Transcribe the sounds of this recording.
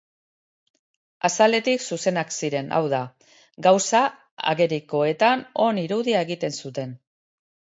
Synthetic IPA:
asale̞t̪iksuse̞naksiɾe̞nʔa̰wða | ɡawsa | a̰ɣe̞ɾiko̞e̞t̪ano̞niɾuðiae̞ɣ̞it̪e̞nsut̪e̞n

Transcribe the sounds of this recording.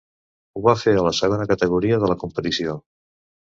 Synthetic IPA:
uβafeələsəɣ̞onəkət̪əɣ̞uɾiəðələkumpət̪isio

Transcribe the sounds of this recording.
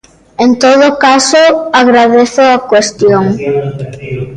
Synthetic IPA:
ent̪oð̞ʊkasoaɣɾaðeθʊakwest̪joŋ

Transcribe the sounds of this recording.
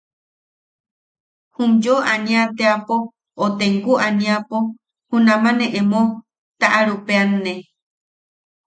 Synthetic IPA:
hũmd͡ʒoanĩat̪eapoː | t̪eŋɡuʔanĩapo | hũnãmãnẽʔemõ | t̪aʔaɾupeanːe

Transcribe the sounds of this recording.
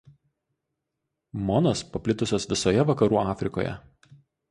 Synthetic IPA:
mɔnoːspɐpʲlʲɪt̪ʊsʲoːsʋʲɪsoːjɛʋɐkɐɾuːɑːfʲɾʲɪko̰ːjɛ̰

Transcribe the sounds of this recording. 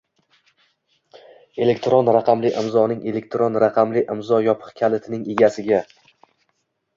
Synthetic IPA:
e̞le̞kʲt̪ɾonɾaqʰɑmlɪʔɪmzɒnɪŋʔe̞le̞k̚ʲt̪ɾonɾaqʰɑmlɪʔɪmzɒjɒpʰɨ̥qkʲʰalɪt̪ʰɪnɪŋe̞ɡʲasɪɡʲa

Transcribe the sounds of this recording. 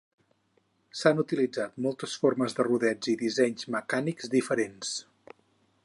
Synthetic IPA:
sanut̪ilid͡zat̪̚mɔlˠt̪əsforməzðəruðɛd͡ziðizɛɲzməkanikzd̪ifəɾens

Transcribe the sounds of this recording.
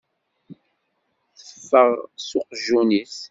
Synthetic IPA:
θəfːəʁsoqʒuniθ

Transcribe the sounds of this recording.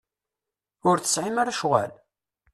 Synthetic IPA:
ʊɾθə̥sʕɪmaɾaʃʁa̰l

